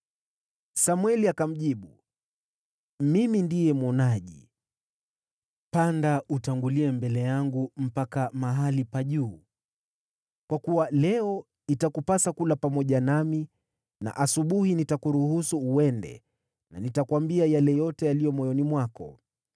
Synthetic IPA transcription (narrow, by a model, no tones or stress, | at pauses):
samwɛliakam̩ʄiɓu | mimindijɛmwɔnaʄi | pandaʔutaŋɡuliɛmbɛlɛjaŋɡum̩pakamaɦalipaʄuː | kwakuwalɛɔ | itakupasakulapamɔʄanami | na̰ʔasuɓuhinitakuɾuɦusuːɛndɛ̰ | na̰nitakwambiajalɛjɔtɛalijɔmɔjɔnimwakɔ̰